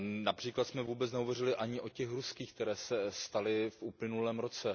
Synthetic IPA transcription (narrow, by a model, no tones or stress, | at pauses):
napr̥iːklat̪smɛvuːbɛt͡snɛɦovɛrɪlɪʔaɲɪʔo̞cɛxɾuskiːxkt̪ɛɾɛːsɛst̪alɪfʔuːplɪnulɛːmɾo̞t͡sɛ